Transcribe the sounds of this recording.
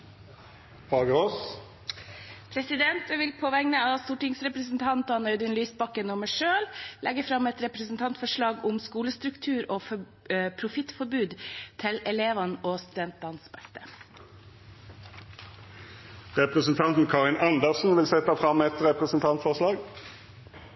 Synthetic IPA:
hɑːɡəʁoːs | pʰɾɛsɪd̪ɛnt̪ʋɪlpʰoːʋɛŋnəɑst̪uːʈɪŋsɾɛpɾəsn̩t̪ʰɑnt̪ɑnœʏd̪ənlyːsbɑkənɔmæʂøːllʔɛɡəfɾɑmɛt̪ɾɛpɾɛsn̩t̪ʰɑnt̪fɔʂɭɑːɡʊmskuːləst̪ɾʉkt̪ʰʉːɾoːf | pʰɾʊfɪt̪fɔɾbʉːd̪t̪ʰɪlɛleːʋɑnʔoːst̪ʉd̪ɛnt̪̚d̪ɑnsbɛst̪ə̥ | ʁɛpʁəsn̩t̪ʰɑnt̪n̩kʰɑːʁɪnɑnd̪əʁsn̩ʋɪlsɛt̪ɑfʁɑmɛt̪ʁɛpʁəsn̩t̪ʰɑnt̪fɔʁʂlɑːɡ

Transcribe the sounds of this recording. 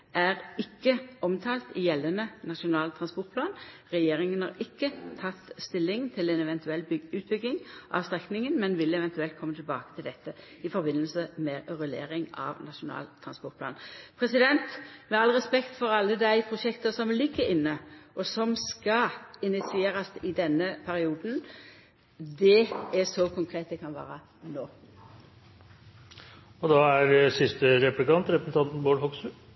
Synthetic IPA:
æʁɪkːəɔmt̪ʰɑːlt̪ɪjɛlːənənɑʃʊnɑːlt̪ʰɾɑnspɔʁt̪̚pʰlɑːn | ʁɛjeːʁɪŋənhɑ̰ɾɪkːət̪ʰɑt̪ːst̪ɪlːɪŋt̪ʰɪlɛnɛʋɛnt̪ʉɛlːbʏʉːt̪̚bʏɡːɪŋʔɑ̰ʋst̪ʁɛknɪŋənmɛnʋɪlɛʋɛnt̪ʉɛlt̪̚kʰɔmːət̪ʰɪlbɑ̰ːkət̪ʰɪld̪ɛt̪ːə | ɪfɔɾbɪnːəlsəmɛʁɛlḛːɾɪŋɑ̰ʋnɑʃʊnɑ̰ːlt̪ʰɾɑnspɔt̪̚pʰlɑ̰ːnpʰɾɛsɪd̪ɛnt̪mɛɑlʁɛspɛkt̪fɔɾɑlːəd̪æɪpʰʁʊʂɛkt̪əsɔmlɪɡːəɪnːəʔɔsɔmskɑɪnɪt̪sɪeːɾɑsɪd̪ɛnːəpʰæɾɪuːd̪n̩ | d̪ɛæsɔkʰʊŋkʰʁeːt̪̚d̪ɛkʰɑnʋæ̰ːɾə | noː | ɔd̪ɑːæɾsɪst̪əɾɛplɪkɑnt̪ɾɛpɾsn̩t̪ʰɑnt̪n̩boːɭɦɔksʉ

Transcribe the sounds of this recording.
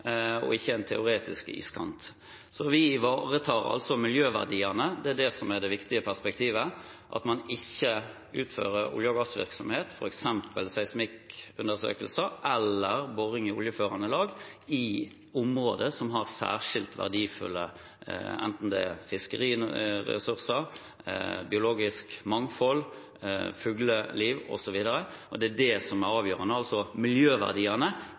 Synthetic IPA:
ɔ̰ɪçːəɛnt̪ʰɛʊɾeːt̪ɪ̰skɪ̰skɑnt̪ | sɔʋɪɪʋɑːʁət̪ʰɑːʁɑ̰lsɔmɪljøːʋæ̰ʁd̪iːənəd̪ɛæd̪ɛsɔmæd̪ɛʋɪkt̪ɪəpʰæʁspɛk̚t̪ʰiːʋəʔɑ̰t̪mɑnɪçːə | ʉːt̪fø̰ːʁəɾʊ̰ljəɡɑsʋɪ̰ɾksɔmheːt̪fɔɾɛksɛmpəlsæɪsmɪkʉnd̪əʁsø̰ːkəlsəʔɛlːəʁboʁɪŋɪʊljəføːʁɑnəlɑːɡɪ | ʊmʁo̰ːd̪əsɔmɦɑʁsæ̰ːʁʂɪlt̪ʋæ̰ʁd̪iːfʉ̰lːə | ɛ̰nt̪n̩d̪ɛ̰fɪskəʁiːɛ̰sʉʁsəɾ | bɪʊloːɡɪskmɑŋfɔl | fʉːɡləliːʋɔ̰sɔʋiːd̪əɾə | ʔɔd̪ɛæd̪ɛsɔmæɾɑːʋjøːʁənəɑlsɔmɪljøːʋæ̰ʁd̪iːənə

